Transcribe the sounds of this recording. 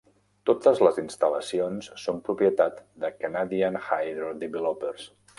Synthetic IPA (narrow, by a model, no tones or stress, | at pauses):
t̪ot̪əzləzinst̪ələsionsːompɾupjət̪at̪d̪əkanaðiənxajðɾod̪iβɛlɔpəɾs